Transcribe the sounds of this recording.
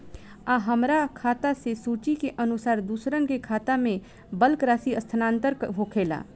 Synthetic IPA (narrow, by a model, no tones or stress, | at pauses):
aɦəmɾakʰaːt̪asesuːt͡ʃikeʔənʊsaːɾd̪uːsɾənkekʰaːt̪amẽ | bəlkɾaːsiəst̪ʰənãːnt̪əɾɦokʰeːla̰ː